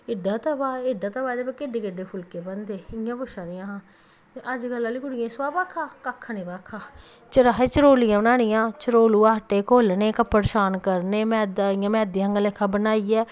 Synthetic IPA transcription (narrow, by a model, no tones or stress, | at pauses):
ɪɖaːt̪abaːɪɖaːt̪abaːd̪eːbaːkeɖeːkeɖeːpʰʊlkeːbənd̪eːɪjãːpʊʃãːd̪ijãːɦãː | əd͡ʒɡəlːãːliːɡʊɽɪjãːisaːbaːkʰaːkaːkʰːãːniːbaːkʰːaː | t͡ʃəɾaːeːt͡ʃəɾoːlɪjãːbənaːɽɪjãːt͡ʃəɾoːluːaːəʈːeːkoːlneːkəpːəɾʃaːnkəɾneːmɛ̃ːd̪aɪjãːmɛ̃ːd̪ijãːŋɡalekʰːãːbənaːiɛː